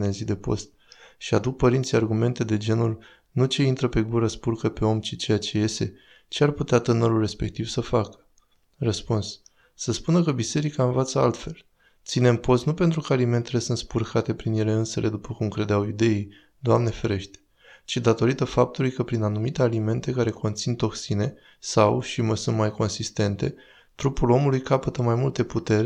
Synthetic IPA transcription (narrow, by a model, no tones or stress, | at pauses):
nezid̪e̞po̞̰st̪̚ | ʃiad̪uk̚pəɾint̪sijarɡume̞nt̪e̞d̪e̞d͡ʒe̞nul | nut͡ʃe̞int̪ɾəpe̞ɡuɾəspurkəpe̞o̞mt͡ʃit͡ʃejat͡ʃe̞je̞st̪e̞ | t͡ʃearput̪eat̪ɨnəɾulre̞spe̞k̚t̪iv̥səfakə̥ | rəspuns | səspunəkəbise̞ɾikaɨnvat̪səa̰lt̪fe̞l | t̪sine̞mpo̞st̪nupe̞nt̪ɾukəalime̞nt̪e̞le̞sɨnt̪spurkʰat̪e̞pɾinjele̞ɨnse̞le̞d̪upəkumkɾe̞d̪eawid̪e̞i | d̪oamne̞feɾe̞ʃt̪e̥ | t͡ʃid̪at̪o̞ɾit̪əfap̚t̪ulujkəpɾinanumit̪e̞alime̞nt̪e̞kaɾe̞kʰo̞nt̪sint̪o̞ksine̞ | sawʃiməsunt̪majko̞nsist̪e̞nt̪e̞̰ | t̪ɾupulo̞mulujkapət̪əmajmult̪e̞put̪e̞ɾʲ